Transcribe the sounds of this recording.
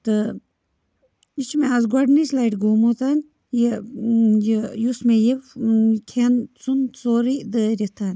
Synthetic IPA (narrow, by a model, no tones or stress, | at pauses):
t̪ɨ | it͡ʃʰmeazɡɐɖnislaiʈɡoːmot̪anʲ | je | jejusmejekʰent͡sunt͡soːɾid̪əɾʲit̪ʰaːnʲ